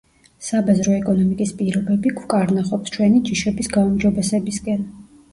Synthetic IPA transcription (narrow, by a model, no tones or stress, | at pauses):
sabɛzɾɔɛkʼɔnɔmikʼispʼiɾɔbɛbikʰwkʼaɾnaχɔpst͡ʃʰwɛnid͡ʒiʃɛbisɡaumd͡ʒɔbɛsɛbiskʼɛn